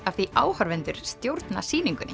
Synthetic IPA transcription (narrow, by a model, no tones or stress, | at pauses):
afθiʔaːwhaɾvɛnt̪ʏɾ̥st̪jowɾt̪na̰siːniŋkʏnɪ